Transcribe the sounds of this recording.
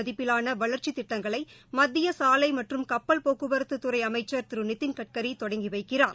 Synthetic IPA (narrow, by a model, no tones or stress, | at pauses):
ɐðɪpːɪlaːnɐʋɐɭɐɾt͡ʃit̪ɪʈːɐŋɡɐɭɐɪmɐd̪ːɪjɐsaːlɐɪmɐʈrɯmkɐpːɐlpoːkɯbɐɾɐt̪ːɯt̪ːɯɾɐɪɐmɐɪt͡ʃːɐɾt̪ɪɾɯnɪt̪ːɪnkɐʈ̚kɐɾit̪ɔɽɐŋɡiʋɐɪkːɪraːɾ